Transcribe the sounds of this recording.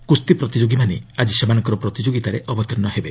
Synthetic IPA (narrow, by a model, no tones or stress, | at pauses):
kust̪ipɾɔt̪id͡ʒoɡimanead͡ʒisemanɔŋkɔɾɔpɾɔt̪id͡ʒoɡit̪aɾeʔɔbɔt̪ɔɾnːɔɦebe